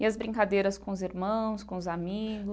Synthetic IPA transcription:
ɪɐzbɾĩŋkad̪ejɾɐskõʊziɾmɐ̃w̃skõʊzamiɡʊ

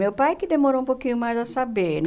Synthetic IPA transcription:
ewpajkɪd̪emoɾoũpowkĩɲʊmajzasabeɾn

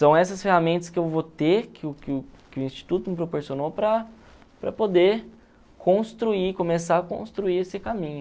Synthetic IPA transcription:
sɐ̃w̃ɛsɐsfehamẽnt̪ɐskɪewvot̪ekʰɪʊkɪʊkɪʊĩst͡ʃi̥t̪ut̪ʊmɪpɾopoɾsionopɾɐ | pɾɐpod̪e | kʰõst̪ɾuikomesaɐkõ̰st̪ɾuiesɪkamĩɲʊ

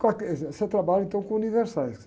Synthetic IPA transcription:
kakset̪ɾabalẽnt̪õw̃kũunivɛɾsas

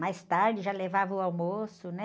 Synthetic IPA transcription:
majst̪aɾd͡ʒɪʒalevavɐʊawmosʊnɛ

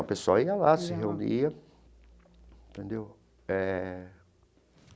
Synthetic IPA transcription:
ɐpesoɐiɐlasɪɦeuniɐ | t̪ẽnd̪ew | ɛ

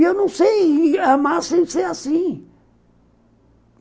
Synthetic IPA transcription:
ewnɐ̃w̃sejamasẽseasĩ

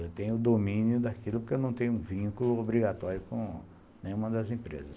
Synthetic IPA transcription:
et̪ẽj̃ʊʊd̪omĩnjʊd̪akilʊpoɾkewnɐ̃w̃t̪ẽj̃ʊũvĩkulʊobɾiɡat̪ɔɾjʊkõ | nẽj̃ũmɐd̪ɐzĩpɾḛzɐs

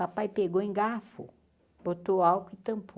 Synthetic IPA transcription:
apajpeɡoẽɡafʊ̰ | b̥ot̪oawkʊɪt̪ɐ̃mp

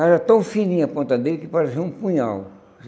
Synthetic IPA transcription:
ɛɾɐt̪ɐ̃w̃finĩɐpõnt̪ɐd̪elɪkɪpaɾeseũpũɲaw

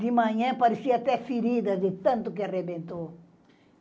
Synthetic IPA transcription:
d̪ɪmɐ̃ɲɐ̃pɐɾisiɐat̪ɛfiɾid̪ɐd̪ɪt̪ɐ̃nt̪ʊk̬earebẽnt̪o

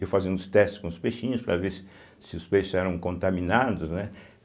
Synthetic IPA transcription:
ewfazĩnd̪ʊst̪ɛst͡ʃɪskõʊspeʃĩɲʊspɾaves | sɪʊspejʃʊzɛɾɐ̃w̃kõnt̪amĩnad̪ʊsnɛ

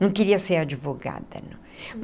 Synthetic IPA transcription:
nɐ̃w̃kiɾiɐseɾad͡ʒivoɡa̰d̪ɐ̰ñ | m

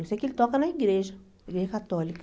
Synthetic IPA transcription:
osɛkelɪt̪ɔkɐnɐiɡɾeʒɐ | ɐiɡɾeʒɐkat̪ɔlik

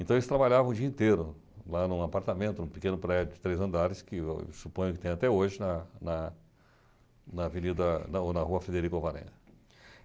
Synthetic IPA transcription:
ẽt̪elɪst̪ɾabaʎavɐ̃d͡ʒiɐĩt̪eɾʊ | lanũapaɾt̪amẽnt̪ʊnũpɪkẽnʊpɾɛd͡ʒʊd͡ʒɪt̪ɾejzɐ̃nd̪aɾɪskɪ̰supõj̃ʊkɪt̪ẽj̃at̪ɛoʒɪnɐnɐ | nɐvenid̪ɐnɐonɐhuɐfɾed̪eɾikʊovaɾḛ̃ɐ

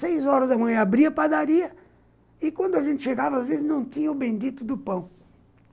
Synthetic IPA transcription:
sejzɔɾɐzɐmɐ̃j̃abɾiɐpad̪aɾiɐ | ɪkwɐ̃nd̪ʊaʒẽnt̪ɪʃeɡavɐazvezɪznɐ̃w̃t̪ĩɲɐʊbẽj̃d̪it̪ʊd̪ʊpɐ̃w̃

